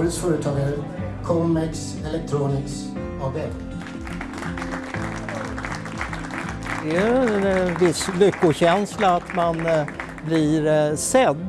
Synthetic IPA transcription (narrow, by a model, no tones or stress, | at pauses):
əd̪sfœːɾət̪ʰɑːɡaɾə | kʰɔmːɛks | ɛlɛk̚t̪ʰɾuːnɪks | ɑːvɛb | d̪ɛnvɪslʏkːʊɕɛnslaat̪man | blɪɾsɛd̪ː